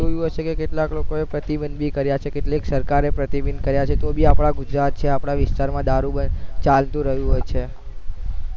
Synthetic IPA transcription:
d͡ʒojũɦəʃekekeʈlaklokoepɾət̪ibənd̪bʱikəɾjat͡ʃʰekeʈleksəɾkaɾepɾət̪ibind̪kəɾjat͡ʃʰet̪obʱiapɳ̃aɡud͡ʒɾat̪̚t͡ʃʰeapɳaʋɪst̪aɾmãd̪aɾubənt͡ʃalt̪ũɾəɦjũɦojt͡ʃʰe

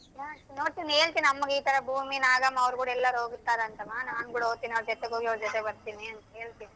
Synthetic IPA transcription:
jaːunoːɽt̪ineːɭt̪iːnnɐmːɐɡiːt̪ʰɐɾɐbʱuːminaːɡɐmːɐɐʋɾkuːɽɐɛlːɐɾuɦoːɡut̪ːaːɾeɐnt̪ɐmanaːnkuːɽɐɦoɡt̪iːniɐʋɾd͡ʒɔt̪eɡɦoːɡiɐʋɾɐd͡ʒɔt̪ɛbɐɾt̪iːniɐnt̪ɐɦe̞ːɭt̪iːni

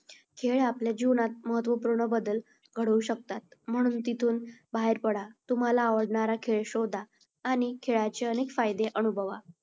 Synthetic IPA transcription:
kʰeɭapljad͡ʑiʋnat̪̚məɦət̪ʋəpuɾɳəbəd̪əl | ɡʱəɽuɕək̚t̪at̪m̤əɽ̃uːnt̪it̪ʰuːnbaɦeɾpəɽat̪um̤alaːʋəɽɳaɾakʰeɭɕod̪ʱaː | ñikʰeɭat͡ɕeənekfajd̪eʔənubʱəʋa

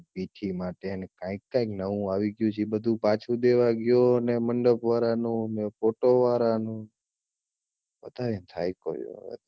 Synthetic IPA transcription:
piʈʰimaʈeənekãɪkːãɪ̃knəũaʋiɡjũt͡ʃʰibəd̪ʱũpat͡ʃʰud̪eʋaɡjoəneməɳɖəpʋaɾanũənefoʈoʋaɾanũ | pət̪aʋint̪ʰa̰jko̰jo̰ḛt̪

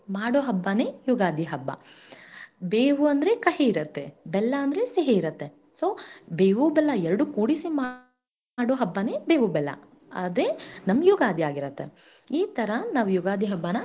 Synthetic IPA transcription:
maːɽoːɦɐbːane̞ːjuɡaːd̪iɦɐbːɐ̰ | beːʋuɐnd̪ɾekɐɦeiɾɐt̪ːebɛlːɐɐnd̪ɐɾeseɦeiɾɐt̪ːe | soːbeːʋubɛlːɐɛɾɐɽukuːɽisima | ɽoːɦɐbːɐne̞ːbeːʋubɛlːɐ̰ | ɐ̰d̪ɾenɐmːjuɡaːd̪iaːɡiɾɐt̪ːe | iːt̪ɐɾɐnaːʋujuɡaːd̪ʱiɦɐbːɐnɐ

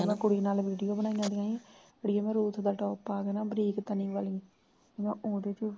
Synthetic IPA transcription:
mɛ̃ːkʊɽiːnaːlʋiːɖijoːbənaːĩãːd̪iaːĩ | əɽiaːmɛ̃ːɾuːt̪ʰd̪aːʈɔːpaːɡɛnaːbəɾiːkt̪ənĩːʋaːlĩ | t̪emɛ̃ːʔoːd̪eːt͡ʃ

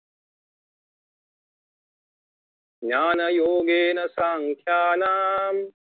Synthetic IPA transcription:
njaːnɐjoːɡeːnɐsaŋkʰjaːnaːm

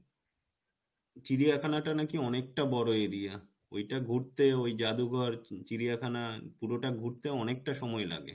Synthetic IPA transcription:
t͡ɕiɾijakʰanaʈanakiɔnek̚ʈabɔɾoeɾia | o̰jʈaɡʱuɾt̪eojd͡ʑad̪uɡʱɔɾt͡ɕiɾiakʰanapuɾoʈaɡʱuɾt̪eɔnek̚ʈaʃɔmɔela̰ɡḛ

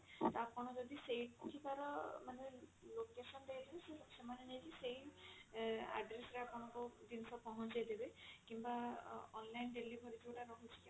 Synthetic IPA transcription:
t̪ɔapɔnɔzɔd̪isejʈ̚kukʰibaɾɔmanelokesɔnd̪ejd̪ebesesɔbsɔmanenezisej | a̰ɖɾesɾeapɔnakɔd̪insɔpɔɦɔnd͡ʒejd̪ebekimbaɔ̰nlajnɖelibʱɔɾitʰiʈaɾɔɦutʰika

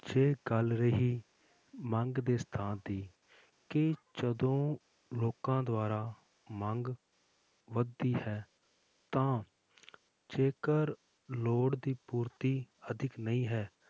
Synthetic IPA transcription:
d͡ʒeːɡəlɾəɦiː | məŋɡd̪eːst̪ʰãːnd̪iː | kɪt͡ʃəd̪õː | loːkãːd̪oaːɾaː | məŋɡ | ʋəd̪iːhɛː | t̪ãː | d͡ʒeːkəɾ | loːɽd̪iːpuːɾt̪iːəd̪ʱɪknəĩːɦɛː

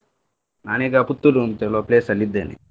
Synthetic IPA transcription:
naːneːɡaːput̪ːulunt̪eloːpleːsɐlid̪ːeːnḭ

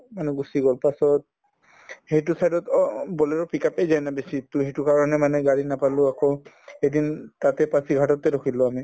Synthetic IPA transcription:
manɛɡusiɡɔlpasɔt̚ | hejt̬ʊsajdɔtbɔlɛɹɔpikapɛjzajnabesitʊɦejtʊkaɹɔnɛmanɛɡaɹinapalʊakɔ | edintatɛpasiɡʱatɔtɛdokʰilʊami

